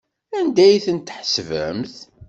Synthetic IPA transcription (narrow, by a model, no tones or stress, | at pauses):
ænd̪æjθənt̪ħsvæ̰mθ